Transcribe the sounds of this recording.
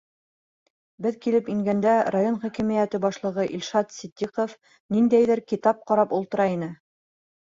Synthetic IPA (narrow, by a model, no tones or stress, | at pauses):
bɘðkilɘpiŋɡænd̪æɾajonχækimijæt̪ɘbɑʃlˠɤ̆ʁɤʔilʃɑt̪sid̪ʲːiqof | nind̪æjðɘɾkit̪ɑp̚qɑɾɑpulˠt̪ɤ̆ɾɑinɘ